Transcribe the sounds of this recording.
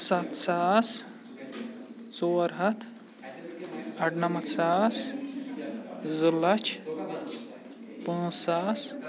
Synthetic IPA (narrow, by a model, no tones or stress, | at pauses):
sat̪saːs | t͡soːɾɦɐt̪ʰ | ɐʈʰnɐmɐt̪saːs | zɨlɐt͡ʃʰ | pãːssaːs